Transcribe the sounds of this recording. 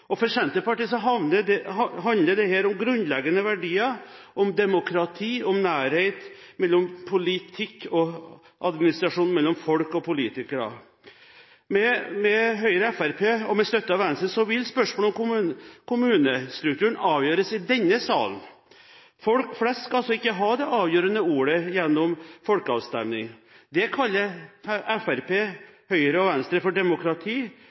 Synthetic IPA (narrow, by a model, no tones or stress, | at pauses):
ʔɔfɔɾʂɛnt̪əpɑʈiːsɔɦɑʋnədɛhɦɑnd̪ləd̪ɛheːɾɔmɡɾʉnlɛɡənəʋæɖiːɑ | ʔɔmd̪ɛmʊkʰɾɑt̪ʰiːɔmnæːɾheɪt̪mɛlːɔmpʰʊlɪt̪ʰɪkʰːɔ | ʔɑd̪mɪnɪst̪ɾɑʂuːnmɛlːɔmfɔlkɔpʊliːt̪ɪkəɖɑ̰ | mɛmɛɦœʏɾəɛfæɾpʰeːɔmɛst̪œt̪ːəɑʋɛnst̪ɾsɔʋɪlːspœʂmoːlɔmʊkʰʊmʉːnəst̪ɾʉkt̪ʉːɳɑːʋjøːɾəsɪd̪ɛnːəsɑ̰ːln | fɔlkflɛst̪ːskɑɑlsɔɪkːəɦɑːd̪ɛʔɑːʋjøːɾənəuːɾəjɛnːɔmfɔlkəɑ̰ːʋst̪ɛmnɪŋd̪ɛkʰɑlːəɾɛfæɾpeːhœʏəɾəɔʋɛnst̪ɾəfɔɖɛmʊkɾɑt̪ʰiː